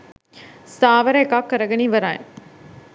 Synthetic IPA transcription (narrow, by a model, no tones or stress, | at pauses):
saːʋɐɾɐekaːkːɐɾɐɡɐniʋɐɾaːjḛ